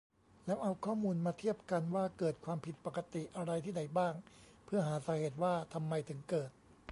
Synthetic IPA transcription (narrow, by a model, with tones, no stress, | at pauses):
lɛː˦˥wʔa˧wkʰɔː˥˩muː˧nmaː˧t̪ʰi˥˩əp̚ka˧nwaː˥˩kɤː˨˩t̪̚kʰwaː˧mpʰi˨˩t̪̚pa˨˩ka˧t̪i˨˩ʔa˧ɾa˧jt̪ʰiː˥˩da˨˩jbaː˥˩ŋ | pʰɯ˥˩ɐɦaː˩˦saː˩˦heː˨˩t̪̚waː˥˩t̪ʰa˧mːa˧jt̪ʰɯ˩˦ŋkɤː˨˩t̪̚